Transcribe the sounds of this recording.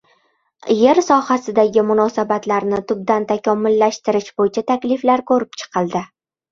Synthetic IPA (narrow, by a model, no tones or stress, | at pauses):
jeɾsɒhasɪd̪aɡʲɪmʊnɒsabat̪laɾnɪt̪ʰʊb̚d̪ant̪ʰakʲʰɒmːʊlːaʃt̪ɪɾɪʃbojɪt͡ʃʰat̪ʰakʲlɪflaɾkʰɵɾɪpt͡ʃʰɨ̥qʰɨlˠd̪ɪ